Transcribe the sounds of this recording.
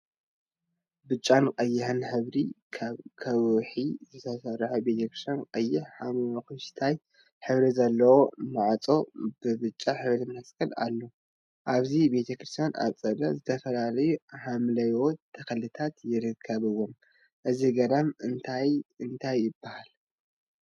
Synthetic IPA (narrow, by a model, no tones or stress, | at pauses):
bɨt͡ʃʼːankʼɐjːɪhɨnħɨβɾi | kʰɐβħizɨt̪ʰɐsɐrħube̞t̪ʰɐkɾist̪ʰjankʼɐjːɪħħamwokuʃt̪ʰaj | ħɨβɾizɐlːɐwo̞nɨʕat͡sʼo̞bɨbɨt͡ʃʼːaħɨβɾimɐskʰɐla̰lːo | ʔaβzibe̞t̪ʰɐkɾist̪ʰijana̰t͡sʼɐlɐ̰zɨt̪ʰɐfɐlalɐjuħamlɐjot̪ʰɐkɐlɨt̪ʰat̪jɪɾɨkʰːɐβɨwːom | ʔɨziɡɐd̪amɨnt̪ʰajɨnt̪ʰajːɪbːahal